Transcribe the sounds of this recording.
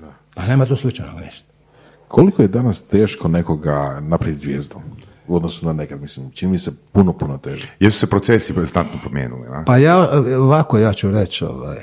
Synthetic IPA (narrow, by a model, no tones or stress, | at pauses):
pane̞ːmat̪oslit͡ʃajno̰ɡnḭʃt̪o̥ | kʰo̞likojed̪anast̪e̞ːʃkone̞ko̞ɡanapɾaʋit̪ʲzʋjeːzd̪o | uod̪nosunane̞kad̪mislimt͡ʃinimisepunopunot̪eːʒejɛlsu̥sepɾot̪sesiznat̪nopɾomjḛːnṵlḭa̰pajaoʋakojaːt͡ʃuɾet͡ʃo̰ʋa̰j